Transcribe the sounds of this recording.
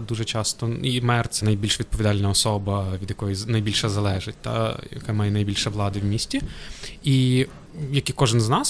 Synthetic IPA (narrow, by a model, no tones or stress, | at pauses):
d̪uʒɛt͡ʃɑst̪ɔimɛrt̪sɛnɐjbʲilʲʃʋʲid̪̚pɔʋʲid̪ɑlʲnɐɔsɔbɐʋʲid̪jɐkɔjinɐjbʲilʲʃɐzɐlˠɛʒɪt̚ʲt̪ɑ̰jɐ̰kɛmɑjɛnɐjbilʲʃɛʋlˠɑd̪ɪwmʲisʲtʲii | jɐkikɔʒɪnznɑs